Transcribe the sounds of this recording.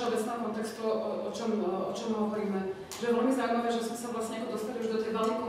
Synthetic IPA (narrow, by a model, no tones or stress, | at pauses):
ɔbɛt͡snɛːɔkɔnt̪ɛkst̪uɔt͡ʃɔmɔt͡ʃɔmɦɔʋɔɾiːmɛ | ʒɛjɛʋɛlmizawuimaʋɛːʒɛsmɛsavlasɲɛakɔd̪ɔst̪aliuʒd̪ɔt̪ijʋalniku